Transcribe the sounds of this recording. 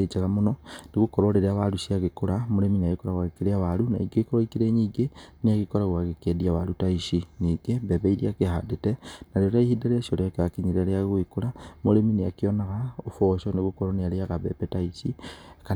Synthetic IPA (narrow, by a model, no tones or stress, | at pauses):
et͡ʃelamunoniɣukoɾoleɾeaβaluʃiaɣekuɾamoɾeminiaɣikoɾaɣwaɣekiɾeaβaluna̰iɡekooikiɾeɲiːɡeniaɣikoɾaɣwaɣekediaβalutaiʃiniɡebeβeiɾiakeha̰detenaɾoɾaihideɾeʃoleakeakiɲiɾaleaɣwikulamuleminiakionaɣaofoʃoniɣukoɾonialiaɣaβḛpetaisika